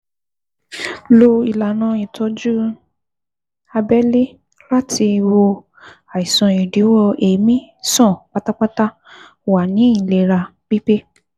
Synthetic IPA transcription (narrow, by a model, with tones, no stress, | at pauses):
lo˧i˨la˨nã˨˦i˨tʰɔ˧d͡ʒu˦ | a˧bɛ˦li˦ | la˦tʰi˧wo˧ | a˨i˨sã˧i˨di˨˦wɔ˦˧e˨mĩ˦sɔ̃˦˨k͡pa˦ta˦k͡pa˦ta˦ | wa˨nĩ˨˦i˦˨le˨ɾa˧k͡pi˦pe˦